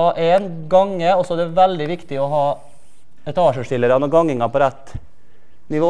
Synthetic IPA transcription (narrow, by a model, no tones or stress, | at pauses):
ɑːʔeːnɡɑŋːəɔsɔæd̪ɛʋæld̪ɪʋɪkt̪ɪɔɦɑː | ɛt̪ʰɑːʂəʂʈɪlːəɾɑnɔɡɑŋːɪŋɑpɔɾæt̪ː | nɪʋoː